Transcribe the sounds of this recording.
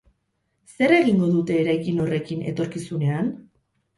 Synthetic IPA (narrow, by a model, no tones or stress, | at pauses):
se̞ɾe̞ɣiŋɡo̞ðut̪e̞ːɾajkino̞re̞kine̞̰t̪o̞ɾkisune̞an